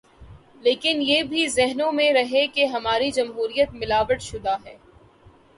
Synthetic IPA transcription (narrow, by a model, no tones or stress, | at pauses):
leːkɪnjeːbʱizɛɦnõmẽɾɐɦekeɦɐmaːɾid͡ʒɐmɦuːɾijət̪̚mɪlaːʋəʈʃʊd̪aɦɛː